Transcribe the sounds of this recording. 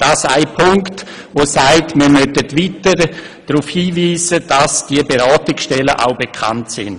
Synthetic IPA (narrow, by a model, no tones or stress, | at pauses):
d̥aːsaɪpʰʊŋkt | voːsaɪtmiəɾmœtətvitəɾ | d̥ɾufhiːviːsəd̥asd̥iəbeɾaːtɪksʃtɛləʔa̰ʊbekʰa̰ntsɪ̰n